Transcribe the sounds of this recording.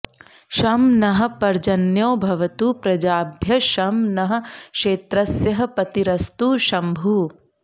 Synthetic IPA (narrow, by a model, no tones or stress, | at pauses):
ʃɐmnɐɦɐ̆pɐɾd͡ʒɐnjoːbʱɐʋɐt̪uːpɾɐd͡ʒaːbʱjɐʃɐmnɐɦɐ̆kʂeːt̪ɾɐsjɐɦɐ̆pɐt̪iɾɐst̪uːʃɐmbʱuː